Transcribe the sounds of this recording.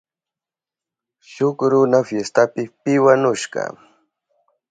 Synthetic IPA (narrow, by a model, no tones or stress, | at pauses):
ʃʊkɾʊnafjest̪apɪpɪwanʊʃɢɑ̰